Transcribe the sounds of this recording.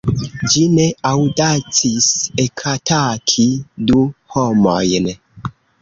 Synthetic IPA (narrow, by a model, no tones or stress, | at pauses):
d͡ʒine̞awdat͡sisekʰatʰakʰiduhomojn